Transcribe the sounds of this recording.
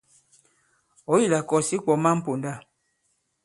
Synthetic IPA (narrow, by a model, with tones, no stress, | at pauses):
ɔ˦ji˦˨la˨kɔ˨si˦k͡pɔ˨ma˦m̩˦po˨nda˦˨